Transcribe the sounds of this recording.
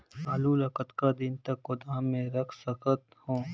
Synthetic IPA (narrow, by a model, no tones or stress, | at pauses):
saːlulɐkət̪kad̪ɪnt̪ɐkːʊd̪aːmẽɾɐkʰsɐkət̪hõː